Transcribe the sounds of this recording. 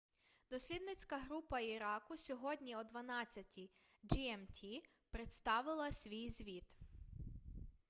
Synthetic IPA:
d̪ɔsʲlʲid̪nɪt͡sʲkɐɦɾupɐiɾɑkʊsʲɔɦɔdʲnʲiɔd̪ʋɐnɑt͡sʲːɐtʲi | d͡ʒiɛmtʲʰi | pɾet̪st̪ɑʋɪlˠɐsʲʋʲijzʲʋʲit̪

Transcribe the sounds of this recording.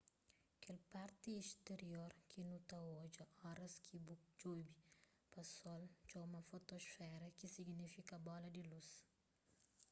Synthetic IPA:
kelpaɾt̪iest̪eɾjoɾkʰinut̪aod͡ʒɐɔɾɐskʰibukd͡ʒujbi | pasɔlt͡ʃɔmɐfot̪osfɛɾɐkisiɡnifikɐbɔlɐd̪ilus

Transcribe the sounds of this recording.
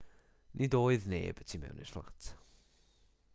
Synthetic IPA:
nʔɪdoːɨðnḛːbətʰimɛ̰wnɪsflˠa̰tʰ

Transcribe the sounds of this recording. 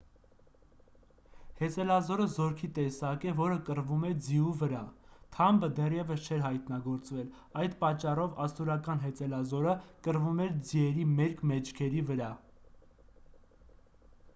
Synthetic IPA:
hɛt͡sɛlɑzɔɾəzɔɾkʰit̪ɛsɑkɛvɔɾəkəɾvumɛd͡ziuvəɾɑt̪ʰɑmbəd̪ɛrjɛvəst͡ʃʰɛɾɦɑjt̪nɑɡɔɾt͡svɛl | ɑjd̪pɑt͡ʃːɑrɔvɑst̪uɾɑkɑnɦɛt͡sɛlɑzɔɾəkəɾvumɛɾd͡ziɛɾimɛɾkʰmɛt͡ʃʰkʰɛɾivəɾɑ

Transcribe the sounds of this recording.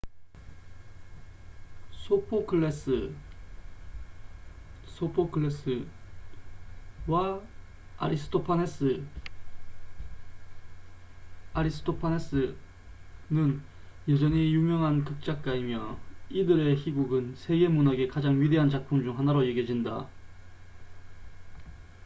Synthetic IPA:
sʰopʰokʰɯɭes͈ɯ | sʰopʰokʰɯɭes͈ɯ | wa | a̰ɾisʰɯ̥tʰopʰanes͈ɯ | aɾis͈ʰɯ̥tʰopʰanes͈ɯ | nɯn | jʌd͡ʑʌɲijuŋjʌŋɦankɯk̚t͡ɕ͈ak̚k͈aimjʌidɯɾe̞çiɡuɡɯnsʰe̞ɡe̞munaɡe̞kad͡ʑaŋɥide̞ɦant͡ɕak̚pʰuŋd͡ʑuŋɦanaɾojeɡjed͡ʑinda̰

